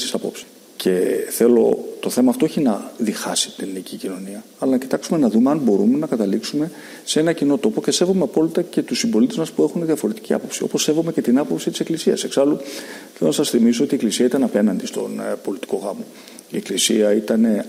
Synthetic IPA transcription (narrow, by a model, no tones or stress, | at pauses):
i̥sɐpo̞̰psi̥ | cʰe̞θe̞lo̞̰t̪o̞θemɐːft̪o̞oçinɐðixɐsi̥t̪innicicino̞niɐɐlɐnɐci̥t̪ɐksume̞nɐðumeɐnbo̞ɾume̞nɐkɐt̪ɐliksume̞ | see̞nɐcino̞t̪o̞po̞ce̞se̞vo̞me̞ɐpo̞lit̪ɐce̞t̪usimbo̞lit̪e̞zmɐspue̞xuneðiɐfo̞ɾe̞t̪iciɐ̰po̞psio̞̰po̞sːe̞vo̞me̞ce̞t̪inɐpo̞psit̪i̥se̞klisiɐ̰se̞ksɐluθe̞lo̞nɐsɐsθimisoo̞t̪ieklisiɐit̪ɐnɐpe̞nɐnd̪ist̪o̞̰npo̞lit̪i̥ko̞ɣɐmo̞ | ie̞klisiɐit̪ɐne̞